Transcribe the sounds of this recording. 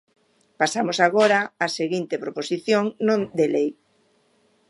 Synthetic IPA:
pasamosaɣ̞oɾaaseɣint̪epɾoposiθjoŋnõnd̪elej

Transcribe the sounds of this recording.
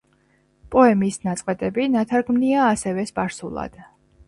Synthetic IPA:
pʼɔɛmiːsnat̪sʼqʼɛt̪ʼɛbinat̪ʰaɾɡmniaːsɛvɛspʼaɾsṵlˠa̰d̪̥

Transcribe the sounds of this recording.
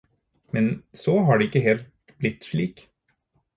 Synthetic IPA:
mɛnsɔːɦɑːɖɛɪkːəɦeːlt̪̚ | blɪt̪ːʂɭiːk

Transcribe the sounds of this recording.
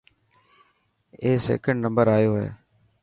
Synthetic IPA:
eːsḛːkəɳɖnə̃mbəɾaːjoːɦɛ̰ː

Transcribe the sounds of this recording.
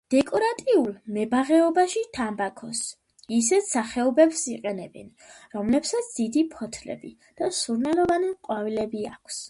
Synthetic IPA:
d̪̥ɛkʼɔɾat̪ʼiulˠmɛbaʁɛɔbaʃit̪ʰambakʰɔs | isɛt̪saχɛɔbɛpsiqʼɛnɛbɛ̰n | ɾɔmlɛpsat̪sʰd̪id̪ipʰɔt̪ʰlɛ̰bḭ | d̪̥asuɾnɛlɔvanimqʼwavilɛbiakʰs

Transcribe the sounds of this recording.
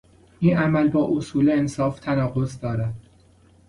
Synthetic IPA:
ʔiːnæmælbɒːʔosuːleensɒːft̪ʰænɒːɣo̞zd̪ɒːɾæd̪̥

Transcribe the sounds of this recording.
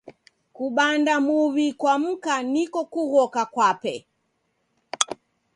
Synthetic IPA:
kuɓandamuβikwam̩kanikɔkuɣɔkakwapɛ

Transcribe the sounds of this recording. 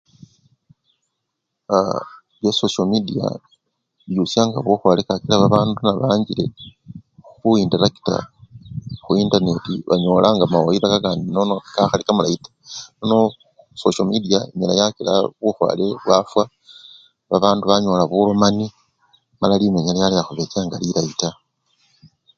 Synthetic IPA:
a | βjososomidia̰ | βjusjaːŋɡaβuxwalekakilaβaβaːndunaβaːɲɟile̞̰ | xuindeɾaki̥ta̰ | xuintane̞tiβaɲo̞ːlaŋɡamaoiɾakakaːndinonokaxalikamulaitḁnono | soʃomidiaiɲalajakila̰βuxwa̰ːle̞βwafwa | βaβaːnduβaɲo̞laβulomani | malalimeɲalajalejaxuβe̞t͡ʃaːŋɡalilaita

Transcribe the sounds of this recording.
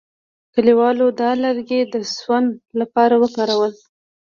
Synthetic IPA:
kəliwɑlod̪ɑləɾɡed̪əswand̪lapɑɾawəkɑɾawəl

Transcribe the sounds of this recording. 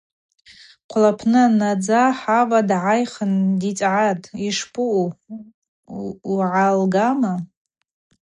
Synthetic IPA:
qʷʰlapʰnɨnad͡zaħavadʕajχəndit͡sʼʕatʼiʂpʼɨʔu | uʕalɡama

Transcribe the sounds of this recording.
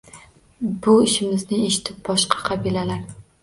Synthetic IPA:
bʊɪʃɪmɪznɪeʃɪ̥t̪ʰɪp̚bɒʃqʰɑ̥qʰɑbilalaɾ

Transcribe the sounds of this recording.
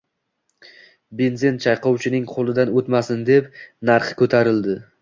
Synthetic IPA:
benzɪnt͡ʃʰɑjqʰɒwt͡ʃʰɪnɪŋqʰolˠɪd̪anɵt̪masɪnd̪e̞pnaɾχkʰɵt̪ʰaɾɪld̪ɪ

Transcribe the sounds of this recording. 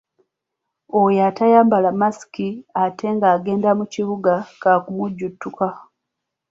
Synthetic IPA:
ojatajaːmbalamasi̥kiate̞ŋɡaːɡe̞ːndamuciβuɡakakumuɟːutːuka

